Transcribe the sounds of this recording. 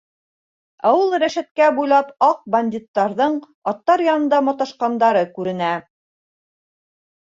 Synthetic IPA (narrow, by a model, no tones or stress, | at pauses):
æ̰wulˠɾæʃæt̪̚kæbujlˠɑpɑq̚bɐnʲd̪ʲit̪ːɑɾðɤɴ | ɒt̪ːɑɾjɑnɤ̆nd̪ɑmɑt̪ɑʃqɑnd̪ɑɾɤkʉɾɘ̆næ